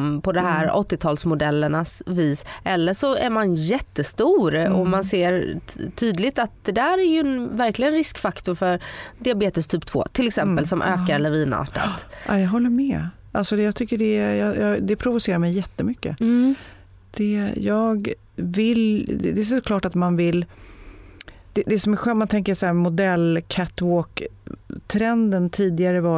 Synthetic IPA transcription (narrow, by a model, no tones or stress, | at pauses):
mpʰɔd̪ɔmɦæːɾɔ̰t̪ːɪt̪ʰɑːlsmʊd̪ɛlːəɳasviːsʔɛlːəʂɔæɾmanjɛt̪ːəst̪uːɾɔ̰manseːɾt̪ʰyːd̪lɪɡt̪at̪̚d̪̥ɛd̪æːɾæɾjɵɛnvæɾklɪɡənɾɪskfakt̪ʊɾfœɾd̪ɪabeːt̪əst̪ʰyːpt̪ʰvo̰ːt̪ʰɪlɛksɛmpəlsɔmʔøːkaɾɛlːəɾviːnɑ̰ːʈa̰t̪ʔa̰jɑːɡɦɔlːəmɛ | ʔalsɔd̪jɑːɡt̪ʰʏkːəɖɛjɑːjɑːd̪ɛpʰɾʊvʊseːɾaɾmɛjːɛt̪ːəmʏkːə̰ | d̪̥ɛjɑːɡ | vɪld̪ɛd̪ɛsɔkʰlɑːʈat̪manvɪl | d̪̥ɛd̪ɛsɔmæɾɧɛːmant̪ʰɛŋkəsahæːɾmʊd̪ɛlːkʰat̪oːkt̪ʰɾɛnd̪ənt̪ʰiːd̪ɪaɾəvɑ